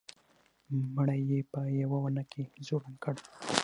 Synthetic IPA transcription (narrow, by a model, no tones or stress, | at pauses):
məɽajːepəjawawanakʰezoɾankəɽ